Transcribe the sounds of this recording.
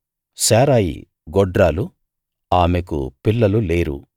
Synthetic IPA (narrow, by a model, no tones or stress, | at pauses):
saːɾaːjḭ | ɡɔɖɾaːlu | aːmekṵpilːɐluleːɾṵ